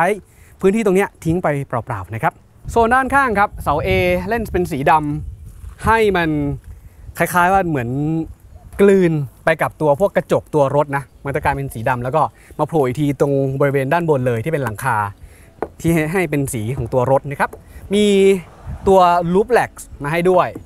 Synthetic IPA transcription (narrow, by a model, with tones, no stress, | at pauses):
a˦˥j | pʰɯː˦˥nt̪ʰiː˥˩o˧ŋni˦˥ɐt̪ʰi˦˥ŋpa˧jpɾa˨˩pɾa̰ː˨˩p̚na˦˥kʰa˦˥p̚ | su˨˩əndaː˥˩nkʰaː˥˩ŋkʰa˦˥p̚sa˨˩˦wʔeː˧le˥˩npe˧ns̬iː˩˦da˧m | ha˥˩jma˧n | kʰa˧˥˩jkʰaː˦˥jwaː˥˩mɯ˩˦ən | klɯː˧npa˧jka˨˩p̚t̪u˧ɐpʰu˥˩əkːa˧t͡ɕo˨˩k̚t̪u˧ɐɾo˦˥t̪̚na˦˥ma˧˥nt̪ɔ˥˩kaː˧jpe˧nsiː˩˦da˧mlɛ˦˥wkɔː˥˩ | maː˧pʰluː˨˩jt̪ʰiː˧t̪o˧ŋbɔː˧ɾi˦˥weː˧ndaː˥˩nbo˧nlɤː˧jt̪ʰiː˥˩pe˧nla˩˦ŋkʰaː˧ | t̪ʰiː˥˩˥ɦa˥˩jpe˧nsiː˩˦kʰɔː˩˦ŋt̪u˧ɐɾo˦˥t̪̚na˦˥kʰa˦˥p̚miː˧ | t̪u˧ɐluː˦˥p̚lɛ˨˩k̚smaː˧ɦa˥˩jdu˥˩əj